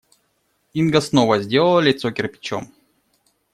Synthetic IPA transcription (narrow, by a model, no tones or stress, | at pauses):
inɡəsnovəzʲdʲelˠəlˠəlʲɪt̪sokʲɪrpʲɪ̥t͡ɕo̰m